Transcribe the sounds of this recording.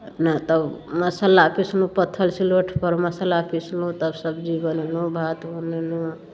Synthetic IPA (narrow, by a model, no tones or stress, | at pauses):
nat̪əbməsalapislupət̪ʰːəlsiloʈʰpəɾməsalapislũt̪əbsəbd͡ʒibənenubʱat̪bənenu